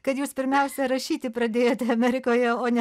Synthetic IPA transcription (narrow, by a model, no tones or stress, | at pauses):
kɐt̪juːspʲɪɾʲmʲɛʊsʲɛɾɐʃʲiːt̪ʲɪpɾɐd̪ʲeːjoːt̪ʲɛɐmʲɛɾʲɪkoːjɛoːnʲɛ